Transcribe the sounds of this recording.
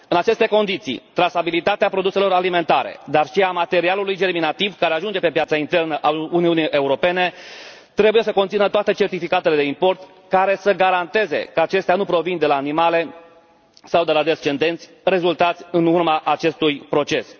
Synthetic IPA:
ɨnat͡ʃe̞st̪e̞ko̞nd̪it̪sḭt̪ɾasabilit̪at̪eapɾo̞d̪use̞lo̞ɾalime̞nt̪aɾe̞̰d̪arʃiamat̪e̞ɾialulujd͡ʒe̞rminat̪ivkaɾeaʒund͡ʒe̞pe̞pjat̪saint̪e̞rnəʔauniuniʔe̞uɾo̞pe̞ne̞ | t̪ɾe̞buje̞səko̞nt̪sinət̪oat̪e̞t͡ʃe̞rt̪ifikat̪e̞le̞d̪e̞impo̞rt̪ | kaɾe̞səɡaɾant̪e̞ze̞̰kəat͡ʃe̞st̪eanupɾo̞vind̪e̞laːnimale̞ | sawd̪e̞lad̪e̞st͡ʃe̞nd̪e̞nt̪sʲ | re̞zult̪at̪sʲɨnurmaʔat͡ʃe̞st̪ujpɾo̞t͡ʃe̞s

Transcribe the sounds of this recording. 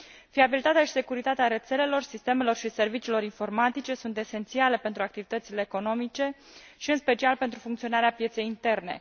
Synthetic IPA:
fiabilit̪at̪eaʃi̥se̞kuɾit̪at̪eaɾe̞t̪se̞le̞lo̞rsist̪e̞me̞lo̞rʃise̞rvit͡ʃiːlo̞ɾinfo̞rmat̪it͡ʃe̞sunt̪e̞se̞nt̪siale̞pe̞nt̪ɾuak̚t̪ivit̪ət̪sile̞ːko̞no̞mit͡ʃe̞ | ʃiɨnspe̞t͡ʃialpe̞nt̪ɾufuŋkt̪sio̞naɾeapje̞t̪se̞jint̪e̞rne̞̰

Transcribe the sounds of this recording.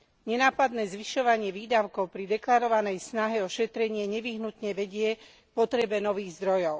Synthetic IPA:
ɲɛnaːpad̪nɛːzʋiʃɔʋaɲɪɛʋiːd̪aʊkɔʊpɾid̪ɛklaɾɔʋanɛjsnaɦɛɔʃɛt̪ɾɛɲɪɛɲɛʋiɦnut̪ɲɛʋɛɟɪɛ | pɔt̪ɾɛbɛnɔʋiːɣzd̪ɾɔjɔʊ

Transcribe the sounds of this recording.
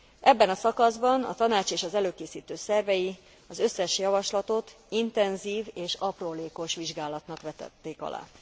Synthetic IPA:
ʔɛbːɛnɒsɒkɒzbɒnɒ̰t̪ɒnaːt͡ʃeːʃɒzɛløːkeːsiːt̪øːsɛrvɛji | ɒzø̞sːɛʃjɒvɒʃlɒt̪o̞t̪ | int̪ɛnziːveːʃɒproːleːko̞ʃʋiʒɡaːlɒt̪nɒkʋɛt̪ɛ̰t̪ːeːkɒ̰lʔa̰ː

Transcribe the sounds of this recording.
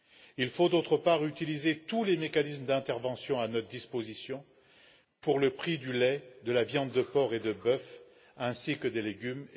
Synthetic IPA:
ilfod̪ot̪χəpaʁyt̪ilizet̪ulemekanisməd̪ɛ̃t̪ɛʁvɑ̃sjɔ̃anɔt̪χəd̪ispozisjɔ̃ | puʁləpχid̪ylɛd̪əlavjɑ̃d̪ːəpɔʁed̪əbœf | ɛ̃sikəd̪eleɡʲym

